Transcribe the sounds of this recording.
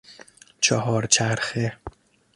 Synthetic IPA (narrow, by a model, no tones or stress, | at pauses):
t͡ʃʰɒɦɒːɾt͡ʃʰæɾxe